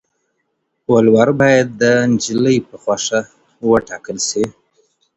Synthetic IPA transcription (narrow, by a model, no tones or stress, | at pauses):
walwaɾbɑjad̪̚ːənd͡ʒiləjpəxwaʂa | wəʈɑkəlʃi